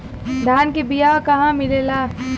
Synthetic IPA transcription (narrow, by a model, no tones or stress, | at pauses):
d̪ʱaːnkibijakɐɦãmɪlelaː